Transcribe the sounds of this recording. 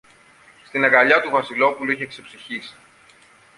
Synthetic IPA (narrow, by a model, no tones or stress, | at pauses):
st̪inɐɣɐʎɐt̪uvɐsilo̞puluiçe̞kse̞psiçisi̥